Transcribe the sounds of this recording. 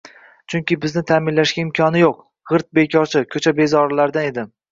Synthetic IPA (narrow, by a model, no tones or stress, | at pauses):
t͡ʃʰʊŋkʲɪbɪznɪt̪ʰaːmɪnlaʃɡʲaɪmkʲʰɒnɪjoq | ʁɨɾt̪̚bekʲʰɒɾt͡ʃʰɪkʲʰɵt͡ʃʰabe̞zɒɾlaɾd̪aned̪ɪm